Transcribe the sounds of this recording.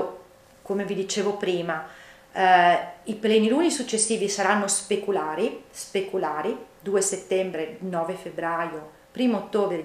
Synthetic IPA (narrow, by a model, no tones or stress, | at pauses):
komevid̪it͡ʃeːvopɾiːma | iplɛːnilunisut͡ʃːesːiːvisaɾanːospekulaːɾispekulaːɾid̪uːeset̪ːɛmbɾenɔːvefebɾajo | pɾiːmot̪ːoːbɾe